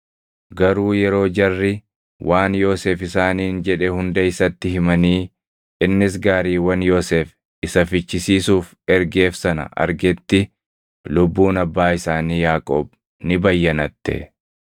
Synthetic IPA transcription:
ɡɐɾuːjɛɾo̞ːd͡ʒɐrːɪ | wʔaːnjo̞ːseːfɪsaːniːnd͡ʒɛᶑɛhʊnd̪ɐɪsɐt̪ːɪhɪmɐniː | ɪnːɪs̬ɡaːɾiːwɐnjo̞ːseːf | ɪsɐfɪt͡ʃːɪsiːsuːf | ɛɾɡe̞ːfsɐnɐ̰ʔɐ̰ɾɡɛt̪ːɪ | lʊbːuːnɐbːaːɪsaːniːjaːkʼoːb | nɪbɐjːɐnɐt̪ːɛ̰

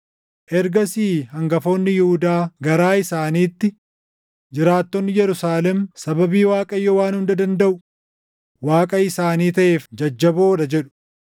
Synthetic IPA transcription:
ʔɛɾɡɐsiːhɐŋɡɐfo̞ːnːɪjʊhʊd̪aːɡɐɾaːɪsaːniːt̪ːɪ | d͡ʒɪɾaːt̪ːɔnːɪjɛɾʊsaːlɛmsɐbɐbiːwaːkʼɐjːɔwaːnhʊnd̪ɐd̪ɐnd̪ɐʔʊ | waːkʼɐɪsaːniːt̪ɐʔe̞ːfd͡ʒɐd͡ʒːɐboːᶑɐd͡ʒɛᶑʊ̥

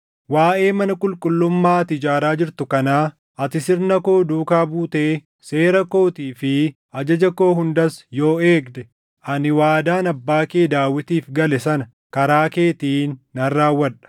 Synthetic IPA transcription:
waːʔe̞ːmɐnɐkʼʊlkʼʊlːʊmːaːt̪ɪd͡ʒaːɾaːd͡ʒɪɾt̪ʊkɐnaː | ɐt̪ɪsɪɾnɐko̞ːd̪uːkaːbuːt̪eː | se̞ːɾɐko̞ːt̪iːfɪ | ɐd͡ʒɐd͡ʒɐko̞ːɦʊnd̪ɐsjo̞ːe̞ːɡd̪ɛ | ɐnɪwaːd̪aːnɐbːaːkeːd̪aːwːɪt̪iːfɡɐlɛsɐnɐ | kɐɾaːke̞ːt̪iːnːɐrːaːwːɐᶑɐ̥

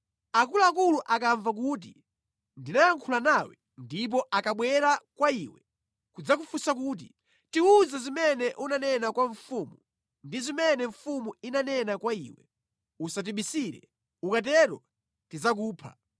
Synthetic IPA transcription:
ak̬uluakuluʔakaɱvak̬uːt̬i | ndinajaŋkʰulanawɛ̰ | ndip̬ɔʔakaɓwɛɾakwaiwɛ | kud͡zak̬ufusakuːt̬i | tiuzazimɛnɛʔunanɛnakwaɱfumu | ndizimɛnɛɱfumuinanɛnakwaḭwɛ̰ | usat̬iɓisiɾɛ̰ | ukat̬ɛɾɔ̰ | tizak̬uːpʰa̰

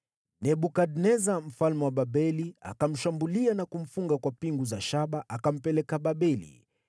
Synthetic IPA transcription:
nɛɓukadnɛzam̩falmɛwaɓaɓɛlia̰kam̩ʃambulianakum̩fuŋɡakwapiŋɡuzaʃaɓaʔakam̩pɛlɛkaɓaɓɛlḭ

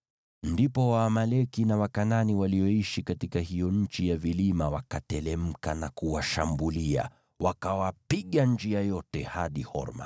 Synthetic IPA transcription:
ndipɔwaːmalɛkinawakananiwaliɔiʃikatikaɦijɔɲ̩t͡ʃijavilimawakatɛlɛm̩kanakuwaʃambulia̰ | wakawapiɠaɲd͡ʒiajɔtɛhaɗihɔ̰ɾma̰

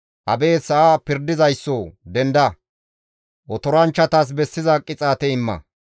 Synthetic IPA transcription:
ʔɐbe̞ːsɐʔaːpɪɾd̪ɪzɐjsːɔd̪ɛnd̪ɐ | ʔɔt̪ɔɾɐnt͡ʃːɐt̪aːs̬bɛsːɪzɐkʼːɪt͡sʼaːt̪ɛɪmːɐ̰

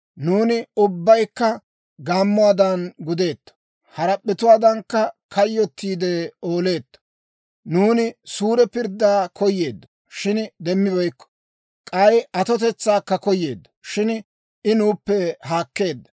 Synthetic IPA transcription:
nuːnɪʊbːɐjkːɐ | ɡaːmːʊaːd̪ɐnɡʊd̪e̞ːt̪ːɐ̥ | hɐɾɐpʼːɪt̪ʊwaːd̪ɐŋkːɐkɐjːɔt̪ːiːd̪ɛo̞ːle̞ːt̪ːɐ̥ | nuːnɪsuːɾɛpɪɾd̪ːaːkʰɔjːeːd̪ːɐ̥ | ʃɪnd̪ɛmːɪbɐjkːɔ̥ | kʼɐjɐt̪ɔt̪ɛt͡sːaːkːɐkɔjːe̞̰ːd̪ːɐ̥ʃɪn | ɪnuːpːɛɦaːkːe̞ːd̪ːɐ̥

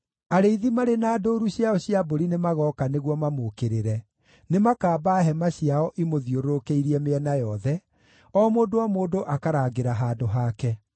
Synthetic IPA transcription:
aɾeiðimaɾenaːdoɾuɕjaɔɕjaboɾinemaɣɔːkaneɣwɔmamokeɾeɾɛ | nemakaːbaɦɛmaɕjaɔʔimoðioɾoɾokeiɾiɛmeɛnajɔðɛ | ɔːmoːdowamoːdoʔakaɾaːɡeɾaɦaːdoɦaːkɛ

